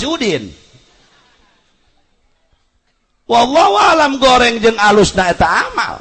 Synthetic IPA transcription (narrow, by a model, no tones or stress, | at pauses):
udɪn | walːɔwalamɡoɾɛŋd͡ʒɨŋalʊsnaɛt̪aama̰l